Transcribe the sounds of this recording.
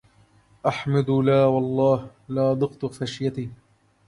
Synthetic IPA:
ʔaħmad̪ʊlaːwɑlˤːɑːh | laːʔd̪ˤɨqt̪faʃjat̪iː

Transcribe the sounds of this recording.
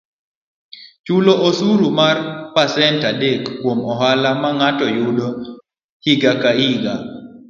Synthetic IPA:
t͡ʃuloʔosuɾumarpasɛntadekːwomɔɦalamaŋatɔjʊdo | hiɡakaiɡa

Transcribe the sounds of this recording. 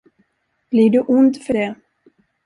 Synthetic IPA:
b̥liɖɵʔʊnd̪fœɖɛ

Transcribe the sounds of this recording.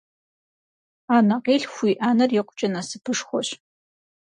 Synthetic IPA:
aːnɐqeːɬxʷiːʔaːnɐrjɪqʷʊt͡ʃʼɐnaːsɨpʰɨʂxʷɔɕ

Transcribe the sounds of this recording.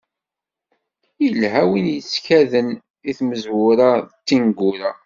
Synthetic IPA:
jəlɦæwinjət͡sːkæðən | iθməzwʊɾat̪ːinɡʊɾa

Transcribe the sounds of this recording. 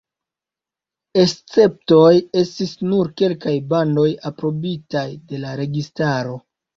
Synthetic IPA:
e̞st͡se̞p̚to̞je̞stisnuɾke̞lkajbando̞japɾo̞bitajde̞laɾe̞ɡistaɾo̞

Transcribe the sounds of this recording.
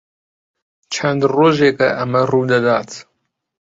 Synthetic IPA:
t͡ʃʰɛnd̪roːʒeːkɐʔɐmɐruːd̪ɐd̪ɑːt̪

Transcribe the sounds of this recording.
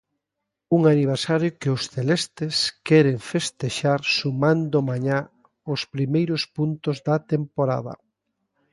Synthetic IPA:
uŋaniβ̞eɾsaɾjʊkɪʊsθelɛst̪eskɛɾeɱfest̪eʃaɾsumãnd̪ʊmaɲa | ʊspɾimejɾʊspunt̪ʊzðɐt̪empoɾa̰ðɐ̰

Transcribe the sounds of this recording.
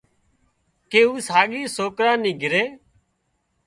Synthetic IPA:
keːuːsaːɠiːsoːkɾãːnĩːɡʱɪɾeː

